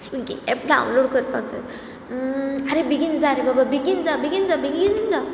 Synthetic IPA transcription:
siɡiɛp̚ɖa̰wnloɽkəɾt̪̚paɡd͡zə̰t̪ | aɾebiɡind͡zaɾebababiɡind͡zabiɡind͡zabiɡind͡za

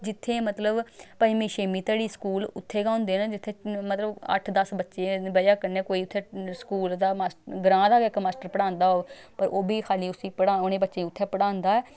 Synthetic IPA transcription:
d͡ʒɪt̪ʰːeːmət̪ləbpəːĩːmĩːʃeːmiːt̪əːɽiːskuːlʊt̪ʰːeːɡãːʊ̃nd̪eːnãːd͡ʒɪt̪ʰːeːmət̪ləbə̰ʈʰd̪əsbətːʃeːbəjaːkəneːkoːiːʊt̪ʰːeːskuːld̪aːmaːsɡɾãːd̪aːɪkmaːsʈəɾpəɽãːnd̪aːɦoːpəɾʔoːbʱiːkʰaːliːʊsiːpəɽaːoneːbətːʃeːʊt̪ʰːɛːpəɽãːnd̪aːɛː

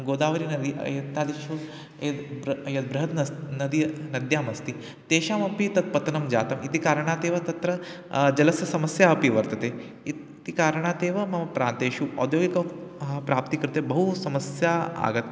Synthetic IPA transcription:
ɡoːd̪aːʋɐɾiːnɐd̪iɐ̰jɐt̪ːaːd̪iʃu | ed̪bɾjɐd̪̚bɾɐɦɐt̪ɐnɐd̪inɐd̪jaːmɐst̪iː | t̪eːʃaːmɐpit̪ɐt̪̚pɐt̪nɐmd͡ʒa̰ːt̪ɐmit̪ikaːɾɳat̪eːʋɐt̪ɐt̪ɾɐ | d͡ʒɐlɐsjɐsɐməsjaɐpiʋɐɾt̪ɐt̪e | i | t̪ikaːɾɳ̃aːt̪eːʋɐmɐmpɾaːnt̪eʃuɔ̰d̪joːɡikɐpɾaːp̚t̪ikɐɾt̪ebɐɦusɐməsjaa̰ːɡət̪̚

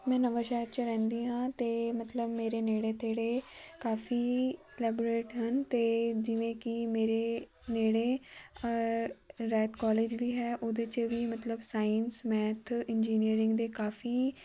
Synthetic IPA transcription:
mɛ̃ːnəʋəʃɛːɾt͡ʃɾɛ̃ːnd̪iːɦãːt̪eːmət̪ləbmeːɾeːneːɽeːt̪ʰeːɽeːkaːfiː | lɛːbɾeːʈɦənt̪eːd͡ʒɪʋẽːkɪmeːɾeː | neːɽeː | ɾɛːt̪kɔːleːd͡ʒʋiːɦɛːʔoːd̪eːt͡ʃʋiːmət̪ləbsaːinsmɛ̃ːt̪ʰɪnd͡ʒiːniəɾɪ̃ŋɡd̪eːkaːfʰiː

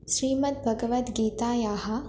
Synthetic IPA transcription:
ʃɾiːmɐt̪̚bʱɐɡɐʋɐt̪ɡiːt̪aːjaːɦɐ

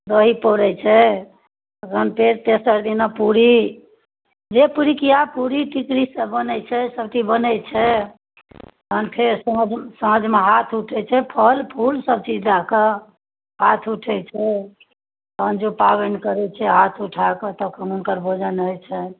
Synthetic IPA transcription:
d̪əɦipoɾɛt͡ʃʰɛ | ɡənpeɾt̪esəɾd̪inapuɾi | d͡ʒepuɾikiapuɾiʈikɾisəbənɛjt͡ʃʰɛsəbʈibənɛt͡ʃʰɛ | ənpʰeɾsəd͡ʒsəməd͡ʒʱmeɦat̪ʰuʈʰɛt͡ʃʰɛpʰəlpʰulsəb̚t͡ʃid͡ʒd̪akə | ɦat̪ʰuʈʰɛt͡ʃʰɛ | ənd͡ʒopabeɳɖkəɾɛt͡ʃʰɛɦat̪ʰuʈʰakət̪əkʰənunkəɾbʱod͡ʒənəjt͡ʃʰɛ

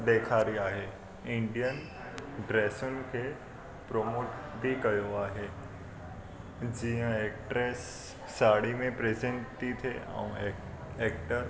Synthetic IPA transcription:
d̪eːkʰaːɾiaːɦe | ɪ̃ɳɖijən | ɖɾeːsʊnɪ̆kʰe | pɾoːmoːʈbʱikɐjoaːɦe | d͡ʑiɦə̃ekʈɾeːsː | aːɽimẽpɾezẽɳʈt̪it̪ʰeʔã̰ũ | eːk̚ʈəɾ

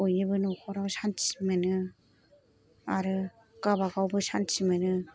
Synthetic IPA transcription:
ojɯbɯnɔkʰɔɾawsansimɯnɯ | aɾɯ | kabaɡawbɯsansimɯnɯ

